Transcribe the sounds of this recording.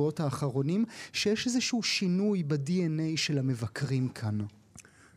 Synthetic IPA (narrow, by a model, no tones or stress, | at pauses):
o̞thaːχaʁo̞nimʃejɛʃezeʃuuʃinujbediene̞jʃelhame̞vakʁimkʰan